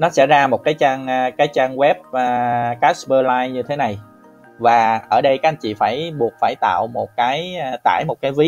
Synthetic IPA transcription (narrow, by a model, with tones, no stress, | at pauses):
nɔ˨˦sɛ̰˧˥zaː˧mo˨˩t̚kaː˨˦jt͡ɕaː˧ŋː˧kaː˨˦jt͡ɕaː˧ŋwɛ˦˥p̚əː˨˩kaː˦˥sɓəː˧laː˧jɲɨ˧t̪ʰe˨˦na˨˩j | vaː˨˩ʔəː˧˩ɗə˧jkaː˨˦˥ʔa˧˩ɲt͡ɕḭ˧˨faː˧˩jɓu˨˩ət̚faː˧˩jt̪a̰ː˧˨wmo˨˩t̚kaː˨˦jt̪a̰ː˧˩jmo˨˩t̚kaː˨˦jvi˨˦˥